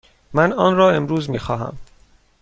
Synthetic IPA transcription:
mænɒːnrɒːe̞mɾuːzmiːxɒːɦæ̰m

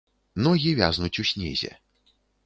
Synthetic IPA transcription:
nɔɣʲivʲa̰znut͡sʲusʲnʲɛ̰zʲɛ̰

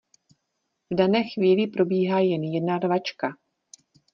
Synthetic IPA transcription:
vdanɛːxviːlɪpɾo̞biːɦaːjɛnjɛdnarvat͡ʃka

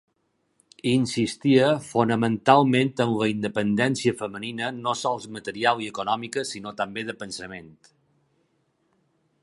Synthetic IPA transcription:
insist̪iəfonəmənt̪alˠmẽnt̪ənləind̪əpənd̪ɛnsiəfəməninənosɔlˠzmət̪əɾialˠiəkonɔmikəsinot̪əmbeðəpənsəment̪

